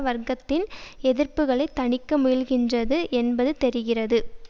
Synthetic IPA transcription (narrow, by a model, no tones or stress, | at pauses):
ʋɐɾɡɐt̪ːɪnɛðɪrpɯɣɐɭɐɪt̪ːɐɳɪkːɐmʊjɪlɣɪndrɐðɯʔɛnbɐðɯt̪ɛɾɯɣɪrɐðɯ